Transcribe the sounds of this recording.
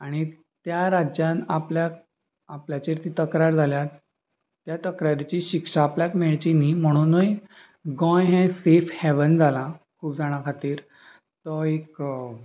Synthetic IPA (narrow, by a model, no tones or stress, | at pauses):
aɽ̃i | t̪jaɾad͡ʑjãnapljak̚ | apljat͡ɕeɾt̪it̪əkɾaɾd͡zʱaljat̪ː | jat̪əkɾaɾit͡ɕiːɕikʂaːpljakmeɭt͡ɕinim̤əɽ̃uːnoj | ɡɔ̃jɦɛ̃sefhɛʋənd͡zʱalakʰuːp̚d͡zaɽ̃akʰat̪iːɾ | t̪ɔek